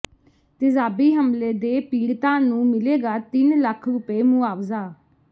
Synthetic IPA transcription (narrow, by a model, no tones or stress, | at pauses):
t̪ɪzaːbiːɦəmleːd̪eːpiːɽt̪ãːnũːmɪleːɡaːt̪ɪnləkʰɾʊpeːmʊaːʋzaː